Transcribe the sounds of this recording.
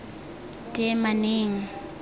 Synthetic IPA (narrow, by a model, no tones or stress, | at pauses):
tʼemaneːŋ̩